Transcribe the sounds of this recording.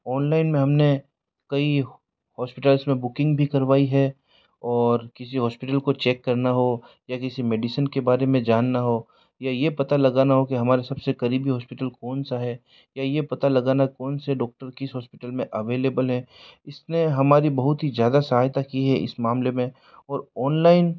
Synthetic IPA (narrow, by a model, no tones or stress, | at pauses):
ɔːnlaːɪnmẽɦɐmne | kɐi | hɔːspɪʈəlsmẽbʊkɪ̃ŋɡbʱikɐɾʋaːiɦɛ | ɔːɾkɪsiɦɔːspɪʈəlkot͡ʃɛːkːɐɾnaɦo | jakɪsimeːɖisənkebaːɾemẽd͡ʒaːnːaɦoː | jajepɐt̪alɐɡaːnaɦokiɦɐmaːɾesɐbsekɐɾiːbiɦɔːspɪʈəlkɔːnsaɦɛ | jajepɐt̪alɐɡaːnakɔːnseɖɔːk̚ʈəɾkɪsɦɔːspɪʈəlmẽʔɐʋeːleːbəlɦɛːɪsneɦɐmaːɾibɐɦʊt̪ɦizjaːd̪asɐɦaːjt̪akiɦɛʔɪ̰smaːmlemẽ | ɔːɾɔːnlaːɪn